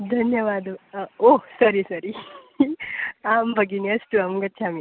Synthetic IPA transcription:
d̪ʱɐnjəʋad̪osəɾisɐɾi | ambʱəɡinɐsʈuamɡət̪̚ːt͡ɕʰami

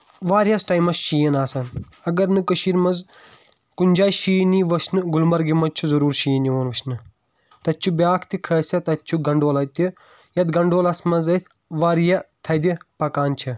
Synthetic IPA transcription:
ʋaːɾjɐsʈaːjmɐsʃiːjɐnaːsɐn | ɐɡɐɾnɨkɐʃiɾmɐz | kunʲd͡ʒaːjʃiːniʋɐt͡ʃʰnɨɡulmɐɾɡimɐt͡ʃʰuzɐɾuːɾʃiːnioːnʋɐt͡ʃʰnɨ | t̪ɐt͡ʃʰubʲjaːkʰt̪ikʰɐːsʲɐt̪ɐt͡ʃʰuɡɐɳɖoːlɐt̪i | jɐt̪ɡɐɳɖoːlɐsmɐzɐt̪ʰʲ | ʋaːɾjɐt̪ʰɐd̪ipɐkaːnt͡ʃʰi

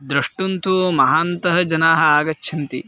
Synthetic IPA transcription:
d̪ɾɐʂʈunt̪ʰumɐɦaːnt̪ɐɦɐd͡ʒɐnaːɦɐaːɡɐt͡ʃːʃʰɐnt̪ḭ

